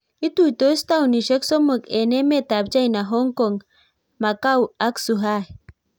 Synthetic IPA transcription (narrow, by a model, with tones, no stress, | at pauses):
i˦t̪uit̪o˦st̪a˦wniʃə˦kso˦mə˨ke˨ne˦me˦t̪a˨b̚d͡ʒa˦jnaɦo˦ŋkoŋ | ma˨ka˦wa˦ksuɦah